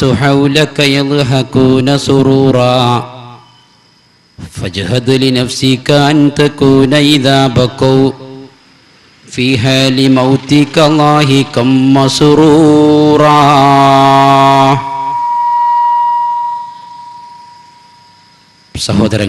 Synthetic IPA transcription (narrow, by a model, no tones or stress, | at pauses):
tʊħawlɐkɐjɐðˤɦakuːnɐsʊɾuːɾˤɑː | fɐd͡ʒɦɐd̪lɪnɐfsikaɐnt̪ɐkuːnɐɪðaːbɐkɐw | fiːɦaːlɪmɐwt̪ɪkɐlˤːaːɦɪkɐmːɐsʊɾuːɾˤɑː | sɐɦoːd̪ɐɾɐ